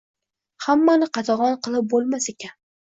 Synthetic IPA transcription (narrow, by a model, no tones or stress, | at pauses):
hamːanɪqɑt̪ʰɒʁɒnqʰɨlˠɪp̚bolˠmasekʲʰan